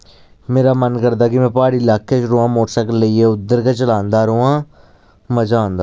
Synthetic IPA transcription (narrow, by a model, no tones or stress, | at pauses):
meːɾaːmənkəɾd̪aːkɪmɛ̃ːpaːɽilaːkʰːet͡ʃɾoːãːmoːʈsəkələieʊd̪ːəɾkat͡ʃəlãːnd̪aːɾoːãː | məd͡ʒaːnd̪aː